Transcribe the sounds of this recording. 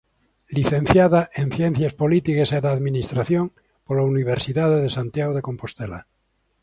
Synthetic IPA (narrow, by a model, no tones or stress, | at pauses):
liθẽn̟θjaðaʔenθjen̟θjaspolit̪ikeseðaðminist̪ɾaθjoŋ | polauniβ̞eɾsiðaðeðesant̪jaɣoðeko̞mpo̞st̪ela̰